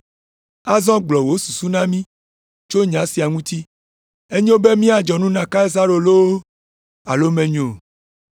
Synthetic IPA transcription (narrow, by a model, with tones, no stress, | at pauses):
a˦zɔ̃˦ɡ͡blɔ˨wo˦su˨su˦nã˦mĩ˦ | t͡ʃo˦ɲã˨˦si˨a˨ŋũ˦t̪i˦ | e˦ɲõ˦be˦mĩ˦a˨d͡ʒɔ˨nũ˦nã˨ka˦e˦za˦ɾo˨lo˦wo˦ | a̰˨lo˦mẽ˨ɲo˨